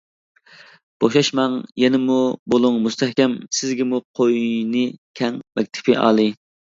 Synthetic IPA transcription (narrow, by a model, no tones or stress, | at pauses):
b̥oʃɑʃmɑŋjɛnɪmubolˠuŋmust̪ʰɛhkʲɛmsɪzɡʲɪmuqʰojnɨkʲʰɛŋmɛk̚ʲt̪ʰɪ̥pʰɪʔɑ̰ːlˠɨ